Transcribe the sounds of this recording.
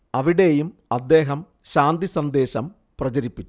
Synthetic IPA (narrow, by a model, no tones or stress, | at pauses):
ɐʋiɽe̞ːjumɐd̪ːe̞ːɦɐm | ɕaːnd̪isɐnd̪e̞ːɕɐm | prɐt͡ɕɐɾipːit͡ɕː